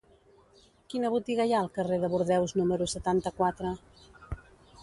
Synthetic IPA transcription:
kinəβut̪iɣajaəlˠkəreðəβuɾðɛwznuməɾusət̪ant̪əkwat̪ɾə

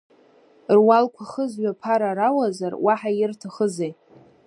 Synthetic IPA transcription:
rwalkʷʰaχəzɥapʰaɾaɾawazarwaħajɪrtʰaχəzej

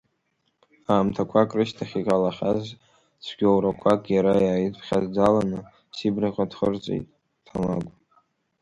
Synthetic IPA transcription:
aːmtʰakʷʰakʼrɨʃtʰaχʲikʼalaχʲaz | t͡sʷʰɡ̥ʲowɾakʷʰakʼjaɾajaːjitpʰχʲazd͡zalanɨ | sibraqʲʼadχərt͡sʷʼḛjtʼ | tʰamaɡʷ

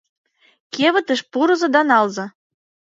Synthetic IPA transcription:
keβə̆t̪ə̆ʃpuɾɤ̆zɤ̆d̪ɑnɑlzɤ̆

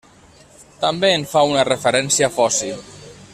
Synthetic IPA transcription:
t̪ambeːnfaunərəfəɾɛnsiafɔsi

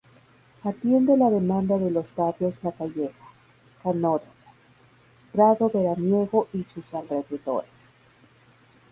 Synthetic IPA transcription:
at̪je̞nd̪e̞laðe̞mãnd̪aðe̞lo̞zbat̪jo̞zlakaʝeɣa | kanoɾomo | pɾaðo̞βe̞ɾanje̞ɣo̞ʔisusalre̞ðeðo̞̰ɾes

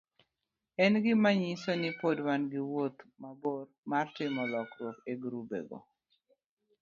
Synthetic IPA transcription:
ɛnɡɪmaɲɪsɔnɪpodwanɡɪwot̪mabormartɪmɔlɔkɾwokeɡɾubḛɡo̰

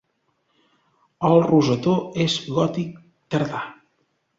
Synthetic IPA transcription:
əlˠruzət̪oezɣɔt̪ik̚ | t̪əɾða

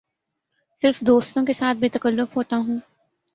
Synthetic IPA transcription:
sɪɾfd̪oːst̪õkesaːt̪̚ʰbeːt̪ɐkəlːʊfɦoːt̪aɦũː

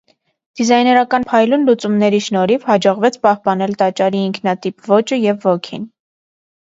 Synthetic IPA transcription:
d̪̥izɑjnɛɾɑkɑnpʰɑjlunlut͡sumnɛɾiʃnɔɾivhɑd͡ʒɔʁvɛt͡sʰpɑhpɑnɛlt̪ɑt͡ʃɑɾiːŋkʰnɑt̪ipvɔt͡ʃəjɛvːɔkʰin

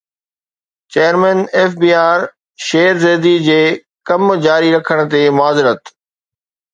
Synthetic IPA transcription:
t͡ɕeːəɾmɛ̃ːneːfbiːaːɾ | ʃeːɾzeːd̪id͡ʑeː | kɐmd͡ʑaːɾiɾɐkʰəɽ̃ə̆t̪emʊaːzɪɾət̪

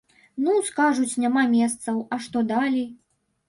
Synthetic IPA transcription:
nuskaʐut͡sʲnʲamamʲɛst̪sɐwɐʂt̪ɔd̪alʲi

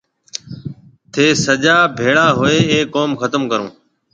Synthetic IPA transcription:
t̪ʰeːsəd͡ʒaːbʱeːɭaːɦoeːeːkːoːmxət̪əmkəɾõ̰ː

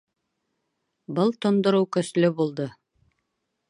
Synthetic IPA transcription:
bɤlˠt̪ŏnd̪ŏɾɤwkɵ̆slɵbulˠd̪ɤ

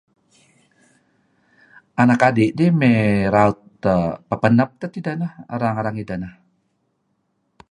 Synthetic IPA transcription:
ʔanakadiʔdimɛɾaut̪̚ː | əpəpənəp̚t̪ət̪idanahɾaŋaɾaŋidanah

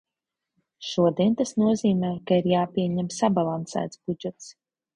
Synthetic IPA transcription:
ʃuɔd̪iɛnt̪asnuɔziːmɛːkaiɾjaːpiɛɲɛmsabalˠansæ̰ːt̪sbud͡ʒɛt̪s

